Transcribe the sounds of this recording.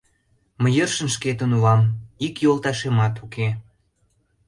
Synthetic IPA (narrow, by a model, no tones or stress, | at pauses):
məjərʃə̆nʃket̪ənuɑmikjolˠt̪ɑʃemɑt̪ukʰe